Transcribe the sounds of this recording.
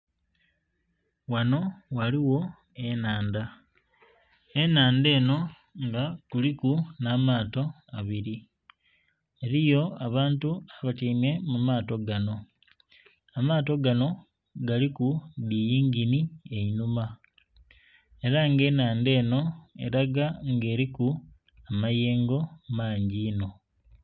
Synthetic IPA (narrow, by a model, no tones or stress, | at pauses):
wano̞waliwo̞ | e̞naːnda | e̞naːnde̞ːno̞ | ŋɡakulikunaːmaːto̞ | aβiɾi | eɾijo̞aβaːntuaβatiːme̞mumaːto̞ɡano̞ | amaːto̞ɡano̞ | ɡalikuβijiːŋɡinie̞inuma | e̞ɾaŋɡe̞ːnaːnde̞ːno̞e̞̰ɾaɡaŋɡe̞ːɾiku | amaje̞ːŋɡo̞maːɲɟiːno̞